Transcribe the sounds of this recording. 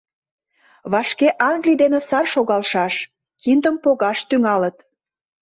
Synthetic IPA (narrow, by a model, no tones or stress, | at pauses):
βɑʃkeʔɑŋɡlid̪enesɑrʃoɣɑlʃɑʃ | kind̪əmpoɣɑʃt̪yŋɑlət̪